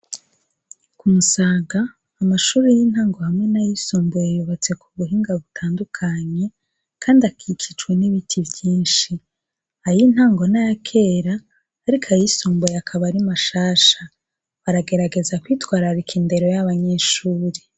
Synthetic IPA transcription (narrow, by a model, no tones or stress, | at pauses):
kumusaːɡaː | maʃuːɾijin̥haːŋɡo̞hamŋe̞najisuːmbujejuβat͡se̞kuβuɦiːŋɡaβutʰaːndukʰaɲe̞ | kʰaːndiakʰikʰit͡ʃweniβitʰivjiːnʃi | hajin̥haːŋɡo̞najakʰe̞ːɾaː | ɾikʰajisuːmbujeakʰaβaɾimaʃaːʃa | βaɾaɡe̞ɾaɡe̞zakwiːtwaːɾaɾikʰinde̞ɾo̞jaβaɲe̞ʃuːɾe